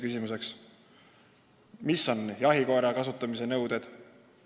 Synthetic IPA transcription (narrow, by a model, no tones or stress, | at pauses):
kysʲimuse̞ks | misːo̞njɑɦiko̞eɾɑkɑsut̪ːˑɑmise̞nɤwd̪̥e̞d̪̥